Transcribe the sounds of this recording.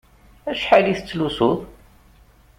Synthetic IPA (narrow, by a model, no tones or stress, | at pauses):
æʃħaliθət͡sːlusʊðˤ